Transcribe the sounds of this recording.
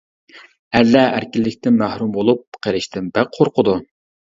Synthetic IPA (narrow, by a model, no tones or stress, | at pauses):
ælːɛʔæ̰ɾkʲilːɪkʲt̪ɪnmæhɾumbolˠup̚qʰeɾɪʃt̪ʰɪnbɛqʰoɾqʰʊd̪u